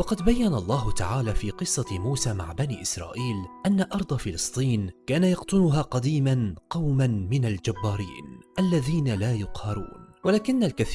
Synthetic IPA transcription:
wɑqɑd̪bajːanalˤːɑːɦʊt̪a̰ʕaːlaːfiːqɨsˤːɑmuːsaːma̰ʕbaniːʔɪsɾˤɑ̰ːʔiːlʔanːaʔɑɾˤd̪ˤɑfɪlɨsˤt̪ˤiːnkaːnajɑqt̪ʊnʊɦaːqɑd̪iːmanqɑwmanmɪnald͡ʒabːaːɾḭːnʔalːaðiːnalaːjʊqhɑɾˤṵːnwalaːkɪnːalkaθ

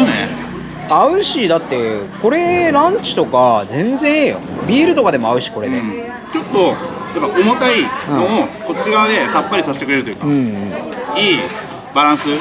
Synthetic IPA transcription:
nanḛ | aɯ̟ɕid̪at̪ːe̞ko̞ɾe̞ɾãɲ̟t͡ɕi̥t̪o̞kazẽ̞nd͡zẽ̞ɰ̃ejo̰bʲiːɾɯ̟t̪o̞kad̪e̞mo̞aɯ̟ɕi̥ko̞ɾee | t͡ɕo̞t̪ːo̞ | japːaomak̪ainõoko̞t͡ɕːiɡaβad̪e̞sapːaɾʲisaɕi̥t̪ekɯɾe̞ɾɯ̟t̪ojɯːkɯ̟̃ɯ̃ːiː | baɾãɰ̃sɨ

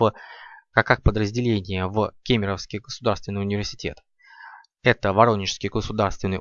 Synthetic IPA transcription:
kakakpəd̪ɾəzʲdʲɪlʲenʲɪjəvkʲemʲɪɾəfskʲɪjɡəsʊd̪arst̪vʲɪnːjʊnʲɪvʲɪrsʲɪ̥tʲe̞t̪ | ɛt̪əvɐɾo̞nʲːɪt͡ɕɪ̥skʲɪjɡəsʊd̪arst̪vʲɪnːɨj

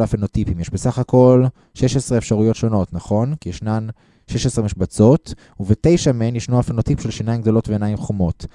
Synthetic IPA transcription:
lafenotipimjeʃbesaχako̞l | ʃe̞ʃesʁeːfʃaʁujo̞tʃo̞no̞tnaχo̞nkijeʃnan | ʃeʃesʁemiʃbat͡so̞t | uvetejʃamenjeʃnuafenot̪ipʃelʃinajimɡd̪o̞lo̞tveenajimχomo̞t

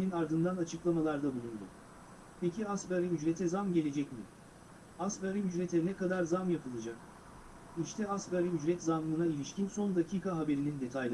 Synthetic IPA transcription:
inaɾd̪ɯnd̪anat͡ʃʰɯklˠamalˠaɾd̪abulˠund̪ʊ̰ | pʰecʰiasbaɾimyd͡ʒɾet̪ʰɛzamɟe̞lʲe̞d͡ʒɛcmḭ | asbaɾimyd͡ʒɾet̪ʰɛnɛkad̪aɾzamjapʰɯlˠad͡ʒak | iʃt̪ʰɛasbaɾimyd͡ʒɾɛt̪zanmɯnailʲiʃcinso̞nd̪acʰiːkʰaɦabe̞ɾinind̪e̞t̪ʰajlˠ

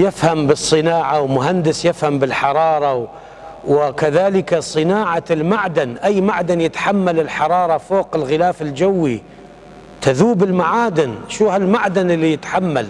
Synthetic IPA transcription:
jɪfhambɨsˤːɨnaːʕawmʊɦand̪ɪsjɪfhambɪlħɑɾˤɑːɾˤɑw | wɪkaðaːlɪkasˤɨnaːʕalmaʕd̪anʔajːmaʕd̪anjɪt̪ħamːalɪlħɑɾˤɑːɾˤɑfoːqɪlɣɪlaːfɪld͡ʒawːi | t̪aðuːbɪlmaʕaːd̪ɪnʃuːhalmaʕd̪anɪlːijɪt̪ħamːal

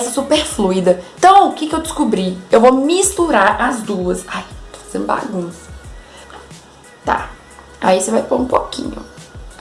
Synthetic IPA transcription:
sɐsupeɾfluid̪ɐẽt̪ɐ̃w̃ʊkɪkɪewd͡ʒɪskubɾiewvomist̪uɾaɾazd̪uɐsajt̪o̥fḁzẽnd̪ba̰ɡũsɐ̥ | t̪a̰ | a̰isevajpoɾũpokʰḭ̃ɲʊ̰

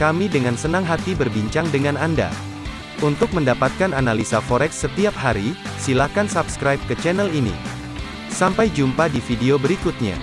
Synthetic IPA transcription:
kamidəŋansənaŋɦat̪ibərbiɲt͡ʃaŋdəŋananda̰ | unt̪ʊk̚məndapat̪̚kananalisafoɾɛksːət̪iap̚haɾi | silakansabskɾajp̚kət͡ʃɛnɛlinḭ | sampajd͡ʒumpadifideobəɾikut̪̚ɲa̰

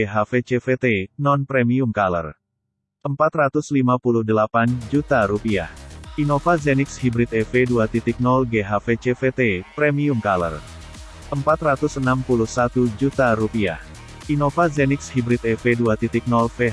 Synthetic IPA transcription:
ɦafet͡ʃefet̪enɔnpɾɛmiumkalə̰r | ʔəmpat̪rat̪uslimapuluhdəlapand͡ʒut̪aɾupia̰hinofazɛnɪkshibɾit̪ɛfeduat̪it̪ik̚nɔlɡeɦafet͡ʃefet̪epɾɛmiumkalə̰r | ʔəmpat̪rat̪usənampuluhsat̪ud͡ʒut̪aɾupia̰h | ʔinofazɛnɪkshibɾit̪ɛfeduat̪it̪ik̚nɔlfe

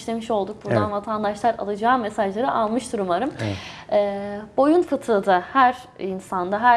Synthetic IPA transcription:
ʃlʲe̞miʃo̞lˠd̪uk̚buɾd̪anvat̪ʰand̪aʃlˠaɾa̰lˠɯd͡ʒaːme̞saʒlˠaɾɯʔalˠmɯʃd̪uɾumaɾɯmɛːbo̞junfɯt̪ʰɯːd̪ahæɾ | insand̪aɦæ

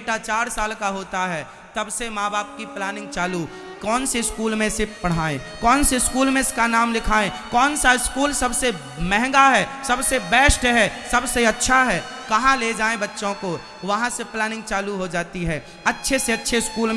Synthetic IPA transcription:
ʈat͡ʃaːɾsaːlkaɦoːt̪aɦɛː | t̪ɐbsemaːbaːp̚kiplɛːnɪ̃ŋɡt͡ʃaːlu | kɔːnseskuːlmẽsepɐɽ̤aːẽ | kɔːnseɪskuːlmẽɪskanaːmlɪkʰaːẽkɔːnsaɪskuːlsɐbse | mɛ̃ɦŋɡaɦɛsɐbsebɛːsʈɦɛsɐbseɐtːʃʰaɦɛː | kɐɦãled͡ʒaːẽbɐtːʃõko | ʋɐɦãseplɛːnɪ̃ŋɡ̚t͡ʃaːluɦod͡ʒaːt̪iɦɛː | ɐtːʃʰeseɐtːʃʰeɪskuːlm

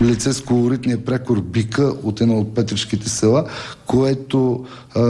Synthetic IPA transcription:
lit̪sɛskolˠoɾit̪nijəpɾɛkoɾbikəʔot̪ɛnaot̪̚pɛt̪ɾɛʃkit̪ɛsɛlˠakoɛt̪o

